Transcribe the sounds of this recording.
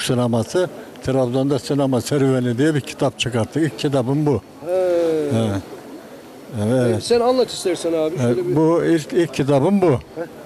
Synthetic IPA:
sinamasɯt̪ʰeɾabzond̪asinamasɛɾvenid̪ijɛbicʰi̥t̪ʰap̚t͡ʃʰɯkaɾt̪ʰːɯkilʲcʰːit̪̬ʰabɯnbu | ɛ | ɛɛɛt̪ssænanlˠat̪ʰi̥ʃt̪æɾsɛnaːbbuilʲcilʲcʰːit̪̬ʰabɯnbu

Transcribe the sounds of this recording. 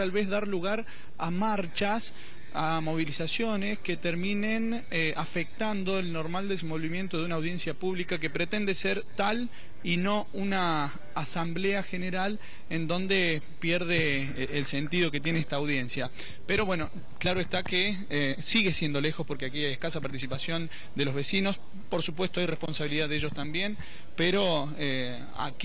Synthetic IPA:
t̪alβezðaɾluɣaɾ | amaɾt͡ʃas | a | mo̞β̞ilisasjo̞nesket̪eɾmĩnen | ʔafek̚t̪and̪o̞elnoɾmald̪es̬emːo̞lβimje̞nt̪oðeunaːwðje̞nsjapuβlikak̬e̞pɾet̪e̞nd̪eseɾt̪al | ino̞ | unaː | sambleaxe̞neɾal | end̪o̞nd̪e | pjeɾð̞eː | lse̞nt̪ið̞o̞ket̪je̞neest̪aːwð̞je̞nsja | peɾo̞βwe̞no̞ | klaɾoest̪ake | siɣesjend̪o̞le̞xo̞spo̞ɾkeakeajehkasapaɾt̪is̬ipasjo̞n | d̪elo̞zβe̞sino̞s | po̞ɾsup̬we̞st̪o̞ajrespo̞nsaβiliðaðeeʒo̞st̪ambje̞n | peɾo̞ | e | a̰k

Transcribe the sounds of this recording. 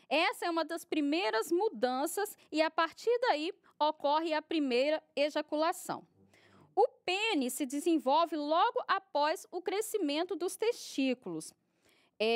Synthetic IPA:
ɛsɐɛũmɐd̪ɐspɾimejɾɐzmud̪ɐ̃sɐsɪapaɾt͡ʃiɾd̪ai | okɔɦɪɐpɾimejɾɐeʒakulasɐ̰̃w̃ | ʊpẽnisɪd͡ʒɪzẽvɔwvɪlɔɡʊʔapɔzʊkɾesimẽnt̪ʊd̪ʊst̪est͡ʃikulʊs | ɛ

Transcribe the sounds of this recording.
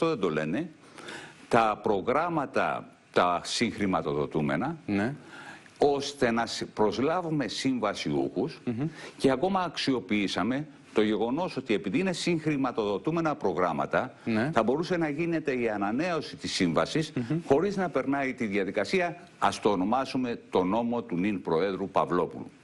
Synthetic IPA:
ft̪oðend̪o̞le̞̰ne̞ | t̪ɐpɾo̞ɣɾɐmɐt̪ɐ̰ | t̪ɐsiŋxɾimɐt̪o̞ðo̞̰t̪ume̞̰nɐ | o̞st̪e̞nɐpɾo̞zlɐvume̞siɱvɐsḭṵxusce̞ɐko̞mɐːksio̞piisɐme̞ | t̪o̞ʝe̞ɣo̞no̞so̞t̪ie̞piðiine̞siŋxɾimɐt̪o̞ðo̞t̪ume̞nɐpɾo̞ɣɾɐmɐ̰t̪ɐθɐbo̞ɾuse̞nɐʝine̞t̪e̞iɐnɐne̞o̞sit̪isiɱvɐsisxo̞ɾiznɐpe̞ɾnɐit̪iðjɐðikɐsiɐ | ɐst̪oːno̞mɐsume̞t̪o̞no̞mo̞t̪uninpɾo̞e̞ðɾupɐ̰vlo̞pṵlṵ

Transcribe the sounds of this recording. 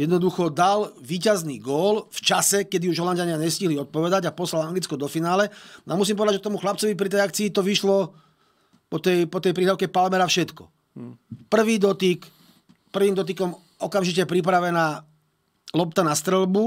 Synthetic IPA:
jɛd̪nɔd̪uxɔd̪alʋiːcazniːɡɔːlft͡ʃasɛkɛd̪iuʒɦɔlanɟaɲɪaɲɛsciɦliɔt̪̚pɔʋɛd̪aɟapɔslalaŋɡlit͡skɔd̪ɔfinaːlɛɔamus̬impɔʋɛd̪ad͡ʒʒɛt̪ɔmuxlap̚t͡sɔʋip̬ɾit̪ɛjakt͡siːt̪ɔʋiʃlɔ | pɔt̪ɛjpɔt̪ɛjpɾiːɦlaʊkɛpalmɛɾafʃɛt̪kɔ̰ | pr̩ʋiːd̪ɔt̪ik | pr̩ʋiːmd̪ɔt̪̬ikɔm | ɔkamʒicɛpɾip̬ɾaʋɛnaː | lɔp̚t̪anast̪ɾɛlbu

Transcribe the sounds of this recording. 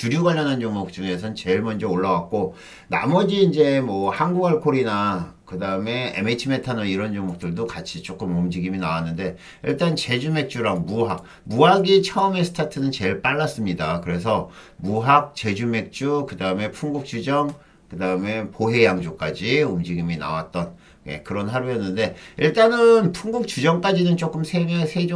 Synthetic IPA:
t͡ɕuɾjoɡaʎːʌnɦant͡ɕʌŋmok̚t͡ɕ͈uŋe̞s̬ʰʌnt͡ɕe̞ɭmʌnd͡ʑʌoɭːawak̚k͈o | na̰mʌd͡ʑiːnd͡ʑe̞mʌhaŋɡuɡaɭkʰoɾinakɯdaɯme̞ḛmet͡ɕʰime̞tʰanʌiɾʌnt͡ɕʌŋmok̚t͈ɯɭdokat͡ɕʰit͡ɕ͈ok͈ɯmɯmd͡ʑiɡiminawanːɯnde̞ | ḭɭt͈ant͡ɕe̞d͡ʑume̞k̚t͡ɕ͈uɾaŋmuɦak̚ | muɦaɡit͡ɕʰʌɯme̞sʰɯ̥tʰatʰɯnɯnt͡ɕe̞ɭp͈aɭːas͈ɯmɲidakɯɾe̞s̬ʰʌmuɦak̚t͡ɕe̞d͡ʑume̞k̚t͡ɕ͈ukɯdaɯme̞pʰuŋɡuk̚t͡ɕ͈ud͡ʑʌŋ | kɯdaɯme̞poɦe̞jaŋd͡ʑok͈ad͡ʑiɯmd͡ʑiɡimina̰wat̚t͈ʌn | jḛkɯɾʌnɦaɾujʌnːɯnde̞iɭt͈anɯnpʰuŋɡuk̚t͡ɕud͡ʑʌŋk͈ad͡ʑinɯnt͡ɕ͈ok͈ɯmsʰeɡesʰed͡ʑo

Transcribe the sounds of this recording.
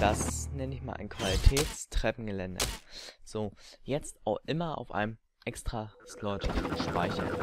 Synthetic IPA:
d̥asnɛnəɪçma̰ːlʔa̰ɪnkv̥alitʰɛːt͡stʁ̥ɛpn̩ɡəlɛndɐ̰z̥oːjɛt͡staʊxʔɪmɐa̰ʊfʔa̰ɪnəm | ʔɛkstʁ̥aslɔtʃpa̰ɪçɐn

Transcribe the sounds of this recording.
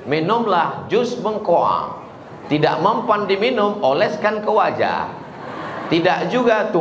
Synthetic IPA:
minʊmlahd͡ʒʊsməŋkoa̰ | t̪ida̰ʔməmpandiminʊmolɛskankəwad͡ʒa̰ | t̪idaʔd͡ʒuɡat̪u

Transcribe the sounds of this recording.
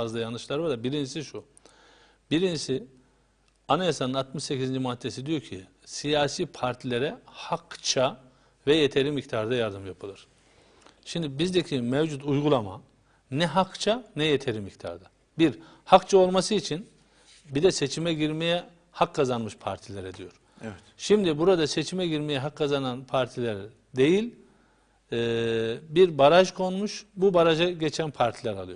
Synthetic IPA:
azlˠajanɯʃlˠaɾvad̪abiɾind͡ʒisiʃu | biɾind͡ʒisi | anajasanɯnat̪mɯʃsecʰizind͡ʒimaat̪ʰːesid̪ijo̞ɾcʰi | sijaːsiːpʰaɾt̪ʰilʲeɾɛhakt͡ʃʰa | vɛjet̪ʰe̞ɾimic̚t̪ʰaɾd̪ajaɾd̪ɯmjapʰɯlˠɯɾ̥ | ʃimd̪ibizd̪ecʰimɛvd͡ʒut̪ujɡulˠama̰ | nɛɦakt͡ʃʰanɛjet̪ʰe̞ɾimːict̪ʰa̰ɾd̪a | biɾ | hakt͡ʃʰao̞lˠmasɯit͡ʃʰin | bid̪ɛse̞t͡ʃʰimɛɟiɾmejɛ | hakːazanmɯʃpʰa̰ɾt̪ʰilʲeɾɛd̪ijo̞ɾ̥ | ɛ | ʃimd̪ibuɾad̪ase̞t͡ʃʰimɛɟiɾmejɛɦakʰːazananpʰaɾt̪ʰilʲæɾ | d̪e̞jilʲ | biɾbaɾaʒkʰo̞nmuʃbubaɾaʒaɟet͡ʃʰænpʰaɾt̪ʰilʲɛɾalˠɯjoɾ

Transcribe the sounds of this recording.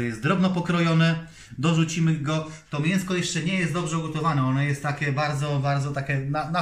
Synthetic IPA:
jɛst̪d̪ɾɔbnɔpɔkɾɔjɔnɛ | d̪ɔʐut͡ɕimɘɡɔt̪ɔmʲjɛ̃ñskɔjɛʂt͡ʂɛɲɛjɛst̪d̪ɔbʐɛɔɡɔt̪ɔvanɛɔnɔjɛst̪ːakʲɛbaɾd̪zɔbaɾd̪zɔt̪akʲɛnana

